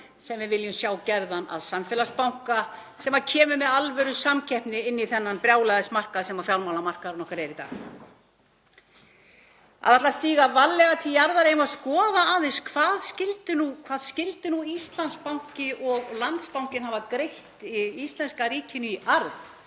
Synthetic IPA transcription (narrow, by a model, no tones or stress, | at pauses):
sɛmvɪvɪljʏmsjaːwcɛɾðana̰ðsamfɛlaspawŋ̥ka | sɛmacʰɛːmʏmɛðalvœɾʏsamcʰɛhpnɪɪnːiθɛnːanpɾjaːwlɛɣðɛsmar̥kaðsɛmafjawlmawlamar̥kaðɾnɔkaɾɛɾit̪a̰ːɣ | a̰ðat̪last̪iːɣavalːɛɣat̪ʰijaɾðaɾejʏmaðskɔːðaaːðɪnskʰv̥aːðscɪlt̪ʏnukʰv̥aːðscɪlt̪ɪnuist̪lanspawŋ̥cɪʔɔɣlant̪spawŋ̥cɪnɦaːvakɾejht̪iist̪lɛnskariːcʰʏnʏiʔaɾð